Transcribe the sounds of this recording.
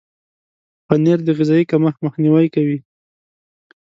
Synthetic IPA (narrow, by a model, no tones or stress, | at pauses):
paneɾd̪əɣɪzɑjikaməxməxniwajkawi